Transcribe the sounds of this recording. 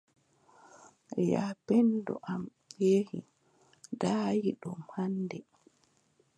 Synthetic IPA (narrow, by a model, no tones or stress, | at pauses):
japɛndɔ̰ʔam | ɓeːhi | daːjiɗɔmhandɛ